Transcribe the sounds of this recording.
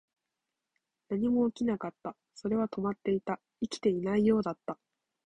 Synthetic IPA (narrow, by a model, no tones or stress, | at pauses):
naɲ̟imo̞ːkʲinakat̪ːa | so̞ɾe̞β̞at̪o̞mat̪ːe̞it̪a | ikʲi̥t̪e̞inaijo̞ːd̪at̪ːa